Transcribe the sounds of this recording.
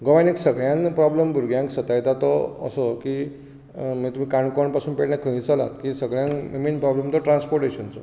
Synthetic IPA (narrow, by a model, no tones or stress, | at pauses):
ɡɔʋaneksəɡɭjãnpɾɔbləmbuɾɡjãŋksət̪ajt̪at̪ɔ̰ːsɔki | mit̪um̤ikaɳkɔɳpasuːnpeʈnakʰə̃ɦĩt͡səla̰t̪kisəɡɭjãnmiminpɾɔblemt̪ɔʈɾãnspɔɾʈeɕənt͡sɔ